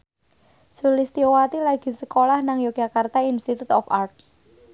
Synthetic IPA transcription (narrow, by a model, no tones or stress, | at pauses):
sulist̪iowat̪ilaɡ̥i̤səkolahnaŋjo̥d͡ʒakart̪ainst̪it̪ut̪ɔfart̪̚